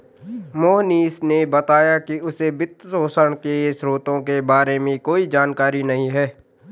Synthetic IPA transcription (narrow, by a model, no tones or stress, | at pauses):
moːɦniːsnebɐt̪aːjakiʊsebɪt̪ːsoːsəɽ̃keʃɾoːt̪õkebaːɾemẽkoːid͡ʒaːnkaːɾinɐɦĩɦɛː